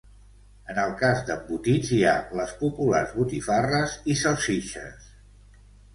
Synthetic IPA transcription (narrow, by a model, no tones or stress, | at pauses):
ənəlˠkazd̪əmbut̪inzia̰ləspupularzβut̪ifarəzisəlˠsiʃə̰s